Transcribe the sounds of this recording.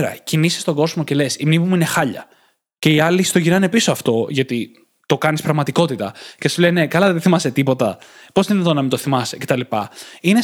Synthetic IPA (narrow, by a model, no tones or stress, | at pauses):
ɾɐ̰cinisi̥st̪o̞ɡo̞zmo̞ce̞le̞simnivimuine̞xɐʎɐ̰ | ce̞iɐlist̪oʝinɐne̞pisoɐft̪o̞ʝɐt̪i | t̪o̞kɐnispɾɐɣmɐt̪iko̞t̪it̪ɐce̞sulene̞kɐlɐðeðeθimɐse̞t̪ipo̞t̪ɐ | po̞zðinɐt̪onɐmint̪oθimɐsecet̪ɐlipɐine